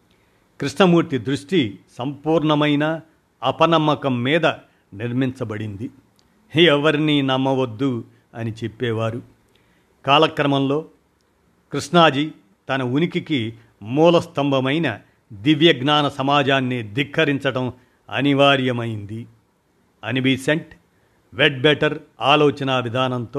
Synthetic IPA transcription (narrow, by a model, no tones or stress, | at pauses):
kɾiʂɳɐmuːɾt̪id̪ɾuʂʈisɐmpuːɾɳɐmɐjnɐː | pɐnɐmːɐkɐmːiːd̪ɐ | niɾmiɲt͡ʃɐbɐɽind̪i | ɛʋɐɾininɐmːɐʋɐd̪ːu | ɐnit͡ʃe̞pːɛːʋaːɾu | kaːlɐkɾɐmɐmlo̞ː | kɾiʂnaːd͡ʒi | t̪ɐnɐunikiki | muːlɐst̪ɐmbʱɐmɐjnɐ | d̪iʋjɐɡnaːnɐsɐmaːd͡ʒaːnːid̪ikʰːɐɾiɲt͡ʃɐʈɐm | ɐ̰niʋaːɾjɐmɐjind̪i | ɐnibiseɳʈ | ʋeɖ̚beʈɐɾaːloːt͡ʃɐnɐɐbʱid̪ʱaːnɐnt̪oː